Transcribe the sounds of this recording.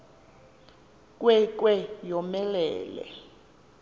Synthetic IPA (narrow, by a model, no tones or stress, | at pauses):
k̬ʼwɛk̬ʼwɛjɔmɛlɛ̰ːlɛ̰